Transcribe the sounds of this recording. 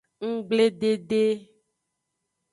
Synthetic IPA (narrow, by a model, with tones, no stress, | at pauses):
ŋ̩˦ɡ͡ble˦ɖe˦ɖe˦